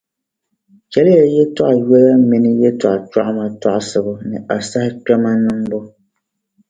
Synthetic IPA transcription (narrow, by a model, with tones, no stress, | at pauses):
kɛ˨˦lɪ˦jɛ˨jɛ˦tɔ˦ʔa˨ɥɛ˦la˦mi˦nɪ˦jɛ˦tɔ˨ʔa˨t͡ʃa˦ʔma˨tɔ˦ʔsɨ˨bʊ˦nɨ˨a˨sa˦hɪ˦k͡pɛ˦ma˦nɨ˦mbʊ˦